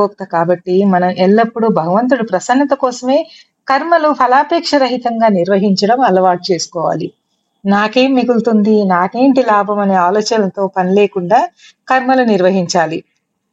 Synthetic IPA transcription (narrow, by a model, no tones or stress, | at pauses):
oːk̚t̪ɐkaːbɐʈːimɐnɐmʔɛlːɐpːuɽubʱɐɡɐʋɐnt̪̬uɽɐpɾɐsɐnːɐt̪ɐkɔːsɐme̞ː | kɐɾmɐlupʰɐlaːpeːkʂɐɾɐɦit̪ɐŋɡaːniɾʋɐɦiɲt͡ʃɐɽɐmɐlɐʋaːʈ̚t͡ʃe̞ːsu̥kɔːʋa̰ːli | naːke̞ːmːiɡult̪und̪inaːkeːɳʈilaːbʱɐmɐne̞ːaːloːt͡ʃɐnɐt̪o̞ːpɐnile̞ːkuɳɖaː | kɐɾmɐluniɾʋɐɦiɲt͡ʃaːli